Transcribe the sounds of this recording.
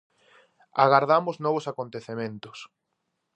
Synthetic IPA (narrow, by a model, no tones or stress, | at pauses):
a̰ɣaɾðamʊznɔβ̞ʊsakont̪eθemẽnt̪ʊ̥s